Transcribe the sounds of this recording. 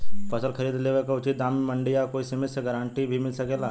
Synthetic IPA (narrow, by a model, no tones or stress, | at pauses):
pʰəsəlkʰɐɾiːd̪leʋekaʊt͡ʃit̪̚d̪aːmimɐɳɖijakoːisɐmeseɡəɾãːɳʈibʱimɪlsɐkeːlaː